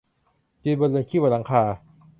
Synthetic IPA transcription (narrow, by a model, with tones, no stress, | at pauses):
t͡ɕi˧bo˧lɯː˧ŋkʰi˥˩waː˧˩la˨˩˦ŋkʰaː˧